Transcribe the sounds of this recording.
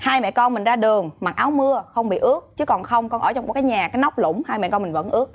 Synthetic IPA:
haː˧jmɛ̰˧˨kɔ˧nmï˨˩ŋ̟zaː˧ɗɨ˨˩ə˩ŋma˨˩ʔaː˨˦wmɨ˧əxə˧wŋ͡mɓḭ˧˨ʔɨ˦˥əkt͡ɕɨ˨˦kɔ˨˩nxə˧wŋ͡mkɔ˧nʔə̰˧˩t͡ɕɔ˧ŋ͡mkaː˨˦jɲaː˨˩kaː˨˦jnɔ˦˥wk͡p̚lʊ̰˧˩˥ŋ͡mhaː˧jmɛ̰˧˨kɔ˧mï˨˩ŋ̟və̰˧˥nʔɨ˦˥ək̚

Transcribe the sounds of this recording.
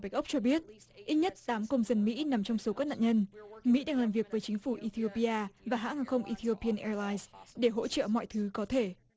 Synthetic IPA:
ba˦˩k̚ʔə˦˥k͡p̚t͡ɕɔ˧ɓi˦˥ət̚ | ʔi˦˥t̚ɲə˦˥t̚t̪aː˨˦mkə˧wŋ͡mzə˧nmḭ˧˥na˨˩mt͡ɕɔ˧wŋ͡mso˨˦kaː˦˥k̚na̰ː˧˨ɲə˧nmḭ˧˥ɗaː˧ŋlaː˨˩mvi˨˩ək̚vəː˨˦jt͡ɕï˨˦ŋ̟fu˧˩ʔi˧t̪ʰi˧o˧pi˧ʔaː˧vaː˨˩ɦa̰ː˧˥ŋaː˧˩xə˧wŋ͡mʔi˧t̪ʰi˧o˧pi˧ə˧nʔɛ˧laː˧jsɗe˧˩ɦo̰˧˥t͡ɕə̰ː˧˨mɔ̰˧˨jt̪ʰɨ˨˦kɔ˨˦t̪ʰe˧˩

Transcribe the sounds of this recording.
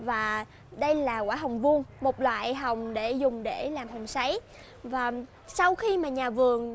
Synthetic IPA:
vaː˨˩ | ɗə˧jlaː˨˩kwaː˧˦ɦə˨˩wŋ͡mvu˧ənmo˨˩t̚lwa̰ː˧˨jɦə˨˩wŋ͡mɗe˧˩zʊ˨˩ŋ͡mɗe˧˩laː˨˩mɦə˨˩wŋ͡msa˨˦j | vaː˨˩ | sa˧wxi˧maː˨˩ɲaː˨˩vɨ˨˩əŋ

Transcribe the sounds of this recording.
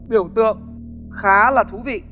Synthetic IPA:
ɓi˧˩əwt̪ɨ̰˧˨əŋ | xaː˨˦laː˨˩t̪ʰu˨˦vḭ˧˨

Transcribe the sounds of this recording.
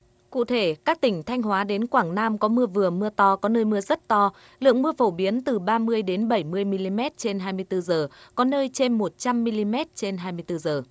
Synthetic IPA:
kṵ˧˨t̪ʰe˧˩kaː˦˥k̚t̪ï˧˩ŋ̟t̪ʰa˧jŋ̟ɦwaː˨˦ɗe˨˦nkwaː˧˩ŋnaː˧mkɔ˨˦mɨ˧əvɨ˨˩əmɨ˧ət̪ɔ˧kɔ˨˦nəː˧jmɨ˧əzə˦˥t̚t̪ɔ˧ | lɨ̰˧˨əŋmɨ˧əfo˧˩ɓi˨˦ənt̪ɨ˨˩ɓaː˧mɨ˧əjɗe˨˦nɓə˧˩jmɨ˧əjmi˧li˧mɛ˦˥t̚t͡ɕe˧nɦaː˧jmɨ˧əjt̪ɨ˧zəː˨˩kɔ˨˦nəː˧jt͡ɕe˧nmo˨˩t̚t͡ɕa˧mːi˧li˧mɛ˦˥t̚t͡ɕe˧nɦaː˧jmɨ˧əjt̪ɨ˧zəː˨˩

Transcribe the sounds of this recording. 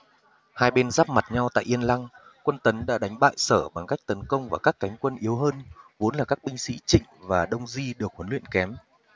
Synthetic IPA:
haː˧jɓe˧nzaː˦˥p̚ma˨˩t̚ɲa˧wt̪a̰ː˧˨ʔi˧ənla˧ŋ | kwə˧nt̪ə˨˦nɗa̰ː˧˥ɗa˨˦jŋ̟ɓa̰ː˧˨jsəː˧˩ɓa˨˩ŋka˦˥jk̚t̪ə˨˦nkə˧wŋ͡mvaː˨˩kaː˦˥kːa˨˦jŋ̟kwə˧nʔi˨˦əwɦəː˧nvo˨˦nlaː˨˩kaː˦˥k̚ɓï˧ŋ̟sḭ˧˥t͡ɕḭ̈˧˨ŋ̟vaː˨˩ɗə˧wŋ͡mzi˧ɗɨ˨˩ək̚hə˨˦nlwḭ˧˨ənkɛ˨˦m

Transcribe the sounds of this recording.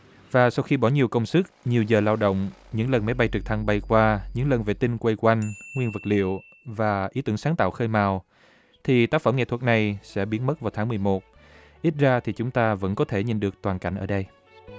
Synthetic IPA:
vaː˨˩sa˧wxi˧ɓɔ˧˩ɲi˨˩əwkə˧wŋ͡msɨ˦˥k̚ɲi˨˩əwzəː˨˩laː˧wɗo̰˧˨wŋ͡mɲɨ̰˧˥ŋlə˨˩nma˨˦jɓa˧jt͡ɕɨ˨˩t̪ʰa˧ŋɓa˨˩jkwaː˧ɲɨ̰˧˥ŋlə˨˩nvḛ˧˨t̪i˧ŋkwe˧jkwa˧jŋ̟ŋwi˧ənvɨ˨˩k̚lḭ˧˨əw | vaː˨˩ʔi˨˦t̪ɨ˧˩əŋsaː˨˦ŋt̪a̰ː˧˨wxəː˧jmaː˨˩w | t̪ʰi˨˩t̪aː˦˥k̚fə˧˩mŋḛ˧˨t̪ʰwə˨˩t̚na˨˩jsɛ̰˧˥ɓi˨˦ənmə˦˥t̚vaː˨˩wt̪ʰaː˨˦ŋmɨ˨˩əjmo˨˩t̚ | ʔi˦˥t̚zaː˧t̪ʰi˨˩t͡ɕʊ˨˦ŋ͡mt̪aː˧və̰˧˥nkɔ˨˦t̪ʰe˧˩ɲḭ˧˨nɗɨ˨˩ək̚t̪waː˨˩nka˧˩jŋʔəː˧˩ɗə˧j

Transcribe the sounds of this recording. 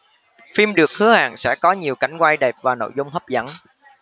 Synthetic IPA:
fi˧mɗɨ˨˩ək̚hɨ˨˦əha̰ː˧˨ŋsɛ̰˧˥kɔ˨˦ɲi˨˩əwka˨˧˩jŋ̟kwa˧jɗɛ˨˩p̚vaː˨˩no̰˧˨jzʊ˧ŋ͡mhə˦˥p̚zə̰˧˥n

